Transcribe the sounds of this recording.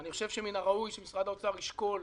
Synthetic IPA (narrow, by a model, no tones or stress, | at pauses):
aniχoʃevʃeminaʁaujʃemisʁad̪aot͡saʁiʃko̞l